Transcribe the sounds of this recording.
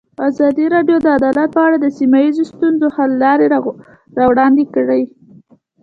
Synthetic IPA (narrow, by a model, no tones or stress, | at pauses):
azɑd̪iɾɑɖjod̪əad̪ɑlat̪̚pəaɽad̪əsimajizost̪unzohallɑɾe | ɾɑwɽɑnd̪ekəɽəj